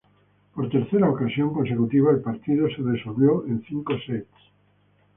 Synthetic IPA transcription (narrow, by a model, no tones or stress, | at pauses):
poɾt̪eɾθeɾaokasjoŋkonsekut̪iβ̞aelpaɾt̪iðoseðesolβjoʔẽnθiŋkoset̪